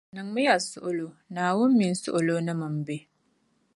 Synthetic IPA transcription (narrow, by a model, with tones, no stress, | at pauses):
nɐ˨ŋmʊ˦ja˨sʊ˦ʔʊ˦˨lo˦naː˨wʊ˦mːɪ˨nsʊ̰˦ʔʊ˨loː˦na˦mɐ˨mbe˦